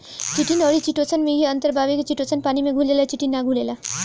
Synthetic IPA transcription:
t͡ʃiʈinɔːɾit͡ʃiʈosənmiɡeə̃nt̪əɾbʱaːʋiket͡ʃiʈosənpaːnimẽɡʱulelat͡ʃiʈinːaɡʱuleːla

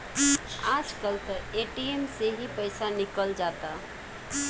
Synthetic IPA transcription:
ad͡ʒkəlt̪əeʈiemseɦipəɪsanikəld͡ʒat̪a

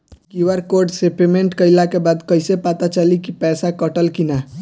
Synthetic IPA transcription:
kiwəɾkoɾɖsepemeɳʈkəɪlakebad̪kəjsepat̪at͡ʃəlikipɛsakəʈəlkina

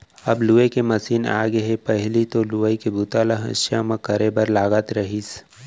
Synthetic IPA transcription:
ɐbluːekemɐsiːna̰ːɡeɦepɛɦlit̪oluəikebʊt̪aːlaɦɐ̰̃ʃjamãkɐɾebɐɾlaːɡat̪ɾɐɦiːs

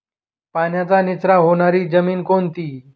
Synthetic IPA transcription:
panjat͡sanit͡sɾaɦoɽ̃aɾiːd͡zəmiːnkont̪iː

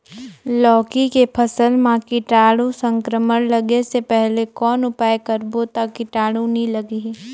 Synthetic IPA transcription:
lɔːkikepʰɐsəlmãkɪʈaːɽũsə̃ŋkɾəmənləɡesepɛɦlekɔːnʊpaːekəɾbot̪akːɪʈaːɽũnĩlɐɡi

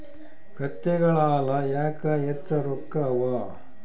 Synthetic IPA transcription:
kɐt̪ːeɡɐɭaːlɐjaːkɐjet͡sːɐɾokːɐːʋa

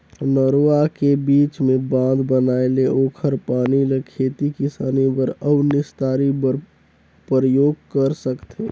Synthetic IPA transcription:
nəɾoakebiːt͡ʃmẽbãːnd̪bənaːeleoːkʰəɾpaːniləkʰeːt̪ikɪsaːnibəɾəbnɪst̪aːɾibəɾ | pəɾəjoːɡ̚kəɾsəkt̪e

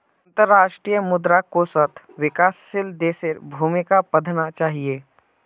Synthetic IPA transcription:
nt̪əɾːaːʃʈɾiːjəmʊd̪ɾakosət̪ʰ | ʋɪkaːsːɪld̪eːseɾbʱuːmikapəd̪ʱnat͡ʃaːɦie

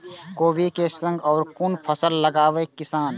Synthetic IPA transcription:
koːbikesə̃ŋɡɔːɾkʊnpʰəsəlːəɡaːʋekɪsaːn

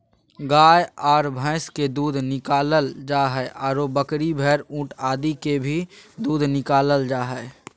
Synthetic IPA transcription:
ɡaːjɔːɾbʱə̃ɪsked̪uːd̪ʱnɪkaːləld͡ʒaːɦɛʔɔːɾobəkɾibʱɛːɾũːʈʰaːd̪ikebʱid̪uːd̪ʱnɪkaːləld͡ʒaːɦɛː

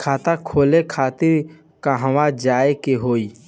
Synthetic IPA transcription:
kʰaːt̪akʰoːlekʰaːt̪ɪɾ | kaɦəwad͡ʒaːekeɦoːiː

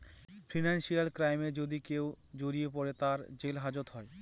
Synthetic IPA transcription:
fɾinanʃialkɾajmed͡ʑod̪ikew | d͡ʑoɾiepɔɾet̪aɾd͡ʑelɦad͡ʑot̪ɦɔe

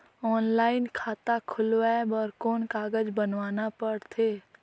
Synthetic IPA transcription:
ɔːnlaːɪnkʰaːt̪akʰʊlwɛbəɾkoːnkaːɡəd͡ʒbənʋaːnapəɽt̪ʰeː

